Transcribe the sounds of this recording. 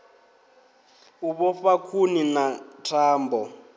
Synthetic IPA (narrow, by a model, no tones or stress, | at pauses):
uβɔfakʰuninatʰaːmbɔ